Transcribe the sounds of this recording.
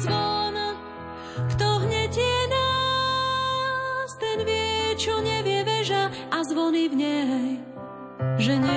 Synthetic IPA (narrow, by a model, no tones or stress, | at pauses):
zʋɔna | kt̪ɔɦɲɛcɛna | st̪ɛnʋɪɛt͡ʃɔɲɛvɪɛʋɛʒa | azʋɔnivɲɛɦɛj | ʒɛɲɛ